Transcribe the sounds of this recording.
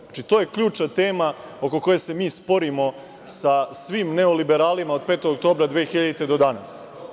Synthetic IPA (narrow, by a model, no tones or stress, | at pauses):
at͡ʃit̪o̞ːje̞kʎuːt͡ʂnat̪e̞ːma | o̞ko̞ko̞jese̞miːspo̞ɾimo̞ | sasʋiːmneolibeɾaːlimaod̪̚peːt̪oɡok̚t̪oːbɾad̪ʋeːxiʎad̪it̪ed̪o̞d̪ana̰s